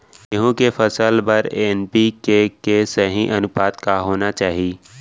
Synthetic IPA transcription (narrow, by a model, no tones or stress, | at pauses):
jɐɦũkefɐsəlbɐɾeːnpikekesɐɦĩʔɐnʊpaːt̪kaɦoːnat͡ʃaːɦiiː